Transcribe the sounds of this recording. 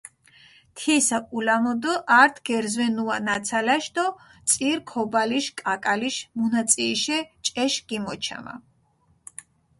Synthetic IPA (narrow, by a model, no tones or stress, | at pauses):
t̪ʰisakʼulamɔd̪ɔʔaɾt̪ʰɡ̥ɛɾzwɛnuanat̪sʰalaʃd̪ɔt̪sʼiɾkʰɔbaliʃkʼakʼaliʃmunat̪sʼiʃɛt͡ʃʼɛʃɡ̥imɔt͡ʃʰa̰ma̰